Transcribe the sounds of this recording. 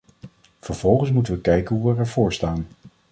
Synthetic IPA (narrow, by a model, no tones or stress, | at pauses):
v̥əɹv̥ɔlˠχəns̬mutənʋəkɛjkənɦuʋəɹɛɹvʊːɹstaːn